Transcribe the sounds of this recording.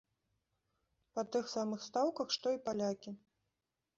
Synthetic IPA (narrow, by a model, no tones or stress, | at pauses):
pɐt̪ɨxsamɨxst̪awkɐxʂt̪ɔipalʲakʲi